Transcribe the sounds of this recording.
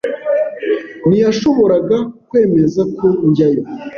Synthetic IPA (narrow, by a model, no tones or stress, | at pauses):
nijaʃo̞βo̞ɾaɡakwe̞ːme̞zakʰo̞ɲɟajo